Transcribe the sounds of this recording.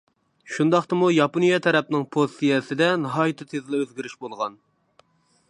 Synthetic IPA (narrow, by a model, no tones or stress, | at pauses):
ʃund̪ɑχt̪ɨmujɑponijɑt̪ʰɛɾɛp̚nɪŋpʰossijɛsɪd̪ɛnɨɦɑːjɨt̪ʰɨt̪ʰezlɪøzɡʲiɾyʃbolˠʁɑn